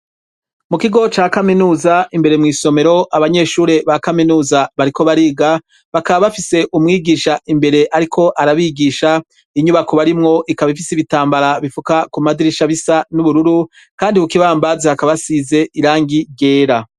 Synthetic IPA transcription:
mukiɡo̞t͡ʃaːkaminuːzaimbe̞ɾemŋiːso̞me̞ɾo̞ʔaβaɲe̞ːʃuːɾe̞βakaminuːzaβaɾiko̞βaɾiːɡa | βakaβaβafise̞ʔumŋiːɡiːʃaʔimbe̞ɾe̞ʔaɾikʰo̞ʔaɾaβiɡiʃa | iɲuβakoβaɾimŋo̞ʔikaβifisiβitaːmbaɾaβifukakumadiɾiʃaβisanuβuɾuɾu | kaːndihukiβaːmbaziakaβasize̞iɾaːŋɡiɟe̞ːɾa

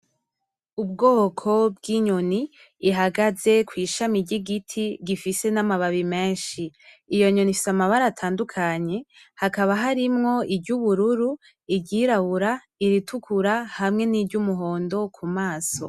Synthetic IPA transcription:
ub̚ɡo̞ːkʰo̞bɡiɲo̞niː | ɦaɡaze̞kwiːʃamiɾɟiɡitʰiɡifise̞namaβaβime̞ːnʃiː | jo̞ɲonifi̥samaβaɾatʰaːndukʰaɲe̞hakaβaɦaɾimŋo̞ibɟuβuɾuɾu | iɟiɾaβuɾa | iɾitukʰuɾahamŋe̞niːbɟumuɦo̞ːndo̞kʰumaːso̞̰

